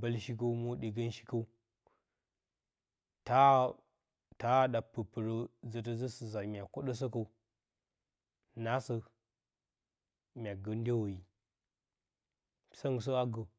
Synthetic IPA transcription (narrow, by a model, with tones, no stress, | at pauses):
ba˦lʃi˦k̬ə˦u˦mo˦ɗi˨ɡə˦nʃi̥˦kə˦u˦ | ta˦ | ta˦ɗa˨pə˨pə˨ɾə˦zə˨t̬ə˦zə˦sə˨za˨mʲ˨a˨ko˦ɗə˦s̬ə˦k̬ə˦u˦ | na˦sə˦ | mʲ˨a˨ɡə˨n˦de˦wo˨ji˨ | sa˦ŋ˨s̬ə˦a˦ɡə˨